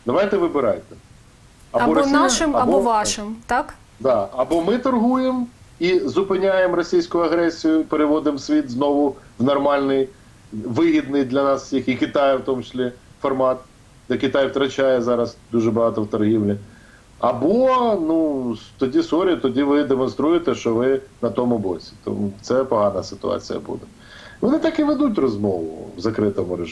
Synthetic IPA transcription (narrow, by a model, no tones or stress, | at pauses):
d̪ɐʋɑjt̪ɛʋɪbɪɾɑ̰jt̪ɛ | ɐɔbɾɔsʲiɐʃɪmɐɐbɔʋɑʃɪmt̪ak | d̪ɑɐbɔmɪt̪ɐrɦujemizʊpɪnʲajemrɔsʲijsʲkʊjʊɐɣɾɛsʲijʊpeɾɪʋɔd̪ɪmsʲʋʲit̪znɔʋʊʋnɐrmɑlʲnɪj | ʋɪɦʲid̪nɪjd̪lʲɐnɑssʲixikʲɪt̪ɑjɐwt̪ɔmt͡ʃɪ̥sʲlʲi | fɔrmɑt̪̚ | d̪ɛkɪt̪ɑjwt̪ɾɐt͡ʃʲajɛzɑɾɐzd̪uʒɛbɐɦɑt̪ɔwt̪ɔrɦiʋlʲɪ | ɐbɔnust̪ɔdʲisɔɾʲijt̪ɔdʲiʋɪd̪emɔnst̪ɾujet̪ɛʃt͡ʃɔʋɪnɐt̪ɔmʊbɔsʲi̥t̪ɔ̰mut̪sɛpɔɦɑnɐsɪ̥t̪ʊ̰ɑ̰t͡sʲḭjɐ̰bṵd̪ɛ | ʋɔnɪt̪ɑkɪʋed̪ut̬ʲrɔzmɔʋʊ̰ʋzɐkɾɪt̪ɔmʊɾeʒ